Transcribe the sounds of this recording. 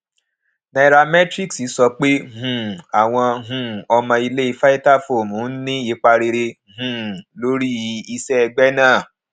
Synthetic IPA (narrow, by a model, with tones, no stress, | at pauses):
na˧˨˧ɾa˧mɛ˦tɾi˦˨ksi˨˦sɔ˧k͡pe˦hũ˨a˨w̃ɔ̃˧ɦũ˨ɔ˧mã˧i˧le˦i˧fa˦i˦ta˦˨fo˨mũ˨˦n̩˦nĩ˦i˨˦k͡pa˧ɾe˧ɾe˧ | hũ˨lo˨˦ɾi˦˧˦i˧sɛ˦ɛ˧ɡ͡bɛ˦nãː˦˨